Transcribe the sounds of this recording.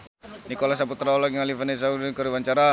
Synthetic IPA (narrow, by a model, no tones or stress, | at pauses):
nikolas̬aput̪ɾaɔlɔkŋalifanes̬audikɔɾiwaɲt͡ʃaɾa